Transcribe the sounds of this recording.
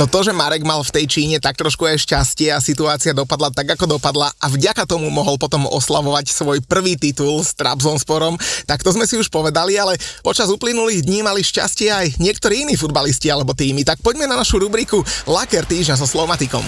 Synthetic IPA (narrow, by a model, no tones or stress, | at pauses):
nɔt̪ɔʒɛmaɾɛɡmalft̪ɛjt͡ʃiːɲɛt̪ak̚t̪ɾɔʃkuajʃcascɪɛasit̪uaːt͡siɪad̪ɔpad̪lat̪aɡakɔd̪ɔpad̪laʔavɟakat̪ɔmumɔɦɔlpɔt̪ɔmɔ̰slaʋɔʋacsʋɔjpr̩ʋiːt̪it̪ulst̪ɾa̰bzɔnspɔɾɔmt̪akt̪ɔzmɛsiuʃpɔʋɛd̪alialɛpɔt͡ʃazuplinuliːɣd̪ɲiːmaliʃca̰scɪɛajɲɪɛkt̪ɔɾiːiniːfud̪baliscialɛbɔt̪iːmit̪ak̚pɔɟmɛnanaʃuɾubɾikulakɛɾt̪iːʒɲazɔslɔmat̪ikɔ̰m